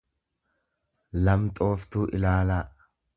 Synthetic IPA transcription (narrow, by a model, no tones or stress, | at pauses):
lɐmt̪ʼo̞ːft̪uːʔɪ̰laːlaː